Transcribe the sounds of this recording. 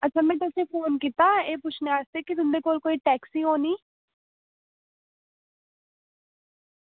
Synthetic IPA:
ətːʃʰaːmɛ̃ːt̪ʊsẽːpʰoːnkiːt̪aːeːpʊt͡ʃʰneaːst̪eːkɪt̪ʊmd̪eːkoːlkoːiːʈɛːksiːɦoːniː

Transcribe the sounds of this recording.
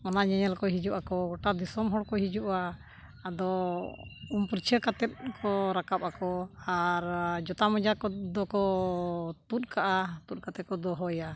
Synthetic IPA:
mɔnaɲɛɲɛlkɔɦid͡ʒuʔakɔɡɔʈad̪isɔmɦɔɽkɔɦid͡ʒuʔaː | d̪ɔ | umpuɾt͡ʃʰəkat̪ɛt̪̚kʰɔɾakap̚ʔakɔaɾd͡ʒɔt̪amɔd͡ʒakɔd̪ɔkɔ | t̪ut̪̚ˀkʰaʔat̪ut̪̚ˀkat̪ɛt̪̚kɔd̪ɔɦɔja

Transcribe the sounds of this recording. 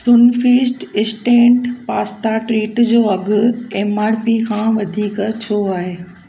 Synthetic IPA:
sʊnfiːsʈɪsʈẽːɳʈpaːst̪aʈɾiːʈd͡ʑoːɐɡʊ̆ẽːmaːɽpikʰãːʋɐd̪ʱiːkt͡ɕʰoːaːɦeː

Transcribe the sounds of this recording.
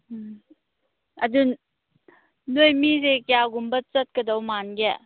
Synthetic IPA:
adun | nojmizekjaɡumbət͡sət̚kədɔwmanɡɛ

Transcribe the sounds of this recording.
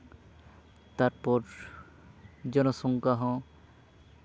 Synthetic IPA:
t̪aɾpɔɾ | d͡ʒɔnɔsɔŋkaɦɔ̃

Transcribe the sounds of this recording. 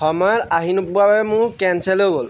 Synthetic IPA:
xɔmaɹaɦinupuababɛmʊɹkɛnsɛloɡol

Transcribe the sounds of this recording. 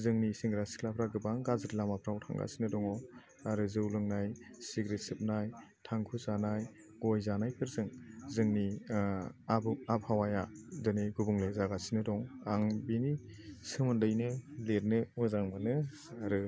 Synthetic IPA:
zɯŋnisiŋɡɾasi̥kʰlapʰɾaɡɯbaŋɡazɯɾlamapʰɾawtʰa̰ŋɡa̰sinɯdɔŋɔ | aɾɯzɯwlɯŋnajsiɡɾetsɯp̚naj | tʰaŋkʰuzanaj | ɡ̥ɔjzanajpʰɯɾzɯŋzɯŋni | bap̚ʰhawajadɯnɯɡubuŋlezaɡasinɯdɔŋaŋbinisɯmɯndɯjnɯleɾnɯɔzaŋmanɯ | aɾɯ

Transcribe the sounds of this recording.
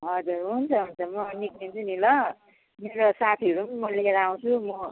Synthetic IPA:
ɦʌd͡zuɾɦunt͡sʰʌɦunt͡sʰʌmʌniknint͡sʰunilʌ | meɾosat̪ʰiʌɾumʌleɾaw̃t͡sʰumʌ

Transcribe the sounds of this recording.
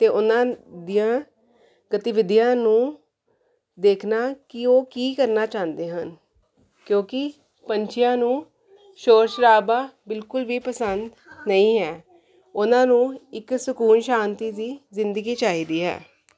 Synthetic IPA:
t̪eːʔʊnãːd̪ijãː | ɡət̪ɪʋɪd̪ɪjãːnũː | d̪eːkʰnaːkɪoːkiːkəɾnaːt͡ʃãːnd̪eːɦən | kjõːkɪ | pəɲt͡ʃɪjãːnũː | ʃoːɾʃɾaːbaːbɪlkʊlʋiːpəsənd̪ | nəĩːɦɛː | ʊnãːnũːɪksʊkuːnʃaːnt̪iːd̪iːzɪnd̪əɡiːt͡ʃaːiːd̪iːɦɛ̰ː

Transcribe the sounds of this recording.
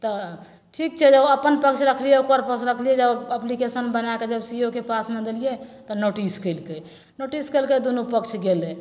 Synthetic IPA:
t̪ɔ | ʈʰik̚t͡ʃʰɛd͡ʒəbəpənpəkt͡ʃʰɾəkʰlijɛukəɾpəksɾəkʰlijɛd͡ʒəbəplikesənbənaked͡ʒəbsiokepasnəd̪elijɛt̪ɔnoʈiskəɪlkəj | noʈiskəɪlkəd̪onupəkt͡ʃʰɡelɛ

